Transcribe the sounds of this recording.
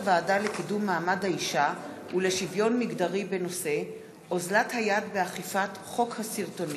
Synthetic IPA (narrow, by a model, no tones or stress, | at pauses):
vaːdalekidumːaːmadhaiʃa | ule̞ʃivjo̞nmiɡdaʁibe̞no̞se̞ | ʔozlathajadbeaχifat | χo̞khasiʁto̞ni